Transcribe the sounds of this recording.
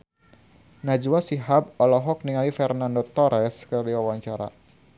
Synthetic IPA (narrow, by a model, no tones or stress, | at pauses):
nad͡ʒuwasiɦab̚ɔlɔɦɔk̚niŋaifɛrnandɔt̪ɔɾɛskɨrdiwawaɲt͡ʃaɾa̰